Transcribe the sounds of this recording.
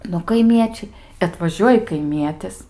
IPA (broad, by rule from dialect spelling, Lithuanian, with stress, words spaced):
nʊ kɐɪˈmʲiɛt͡ʃʲɛɪ ɐtʋɐˈʒʲuɔjɪ kɐɪˈmʲiɛtʲɪs